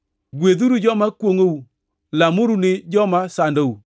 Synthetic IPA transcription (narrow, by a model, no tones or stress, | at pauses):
ɡweðuɾud͡ʒɔmakwoŋou | lamʊɾunɪd͡ʒɔmasandou